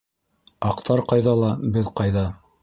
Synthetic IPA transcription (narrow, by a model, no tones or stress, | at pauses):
ɑqt̪ɑɾqɑjðɑlˠɑbɘðqɑjðɑ